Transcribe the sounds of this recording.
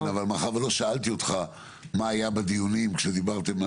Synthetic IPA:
avalmaχavlo̞ʃaalt̪io̞t̪χa | maːjabed̪ijunimkʃed̪ibaʁt̪e̞ma

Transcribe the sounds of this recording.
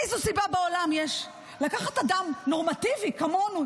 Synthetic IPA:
ejzusibabeo̞lamjeʃ | lakaχatadamnoʁmativikamo̞nu

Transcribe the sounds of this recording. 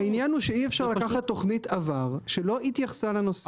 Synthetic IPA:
ainjanhuʃeiefʃaʁlakaχatːo̞χnit̪avaʁʃelo̞it̪jaχsalanose

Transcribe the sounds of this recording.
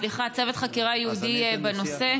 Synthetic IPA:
liχat͡sevetχakiʁajeudibeno̞se̞

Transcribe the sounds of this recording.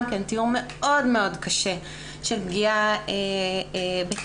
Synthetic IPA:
mkentiume̞ʔo̞dmeo̞dkaʃe | ʃelbɡiae | be

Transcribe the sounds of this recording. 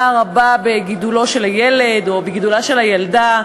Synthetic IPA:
aʁababeɡid̪ulo̞ʃelhajeled̪o̞beɡid̪ulaʃe̞lhajald̪a

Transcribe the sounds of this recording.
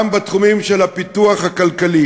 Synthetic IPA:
mbat̪χumimʃelapit̪uaχhakalkali

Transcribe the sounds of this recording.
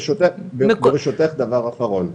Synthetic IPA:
ʃot̪ebebeʁiʃot̪eχd̪avaʁafaʁol

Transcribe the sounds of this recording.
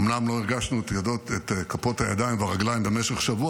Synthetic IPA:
mnamlo̞iʁɡaʃnuetjadot̪et̪kapo̞t̪hajad̪ainvaʁaɡlaimbemeʃeχʃavua

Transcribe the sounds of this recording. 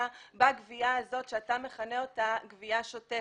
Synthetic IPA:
baɡviaazo̞tʃeatame̞χane̞o̞taɡviaʃote

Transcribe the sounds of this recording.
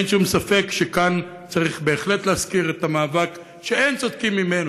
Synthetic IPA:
nʃumsafe̞kʃekan | t͡saʁiχbe̞ːχle̞t̪leaskiʁet̪amaːvak | ʃeejnt͡sod̪̚kimːimen

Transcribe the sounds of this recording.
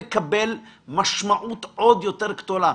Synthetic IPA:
kabelmaʃmaʔut̪ʔod̪jo̞t̪eʁɡt̪ola

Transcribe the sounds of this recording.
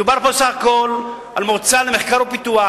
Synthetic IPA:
ubaʁposaχakol | almoʁt͡salemeχkaʁopit̪ua

